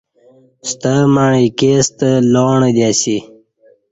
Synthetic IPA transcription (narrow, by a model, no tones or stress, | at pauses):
st̪əmaɳikest̪əloːɳəd̪asi